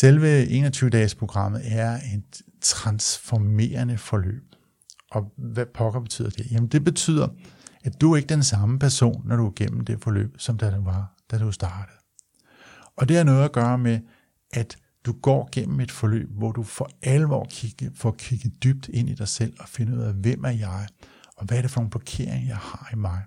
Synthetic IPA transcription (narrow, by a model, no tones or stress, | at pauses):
selʋəe̝̰ːnɒt͡sʰyːʊəd̥ɛːspʰʁo̝ɡ̥ʁɑ̈m̰ð̩ˠæɐe̝d̥ | t͡sʰʁɑ̈nsfɒme̝̰ːɐnəfɒ̽lø̰ːb̥ | ʔɒ̽ʋæpʰɒ̽ɡ̥ɐb̥e̝̥t͡sʰy̰ð̰ˠɐd̥e̝jæmn̩d̥e̝b̥e̝t͡sʰy̰ð̰ˠɐæd̥uɐe̝ɡ̥əd̥ensɑ̈məpʰæɐso̝̰ːnːɒɾ̥uæɐɡ̥en̰m̩d̥e̝fɒ̽lø̰ːb̥sɒ̽md̥æʋɑ̈d̥æd̥usd̥ɑ̈ːd̥əð̩ˠ | ʔɒ̽d̥e̝æɐnɔ̽ːð̩ˠæɡ̥ɶːɐme | ʔæd̥ | d̥uɡ̥ɒ̰ːɡ̥en̰m̩e̝d̥fɒ̽lø̰ːb̥ʋɒd̥ufɒ̽ʔælʋɒ̰ːkʰi̥fɒkʰiɡ̥ð̩ˠd̥yb̥̚d̥e̝n̰id̥ɑ̈ɪsel̰ɒ̽fe̝nəuð̞̰ˠæʋem̰æɐjɑ̈ɪɒ̽ʋææɐɾe̝fɒ̽noːn̩b̥lɒkʰe̝̰ɐ̰e̝ŋɐjɑ̈ɪhɑ̈imɑ̈ɪ